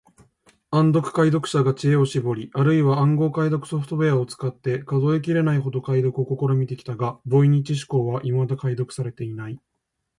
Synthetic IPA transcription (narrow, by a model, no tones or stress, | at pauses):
ãnd̪o̞kɯ̟̥kaid̪o̞kɯ̟̥ɕaɡat͡ɕie̞o̞ɕibo̞ɾʲiʔaɾɯ̟iβaãŋɡo̞ːkaid̪o̞kɯ̟̥so̞ɸɯ̟t̪o̞beao̞t͡sɨ̥kat̪ːe̞kazo̞ek̬ʲiɾe̞naiɦo̞d̪o̞kaid̪o̞kɯoko̞ko̞ɾomʲit̪e̞kʲi̥t̪aɡabo̞iɲ̟it͡ɕiɕ̬i̥ko̞ːβaʔimad̪akaid̪o̞kɯ̥saɾe̞t̪e̞inai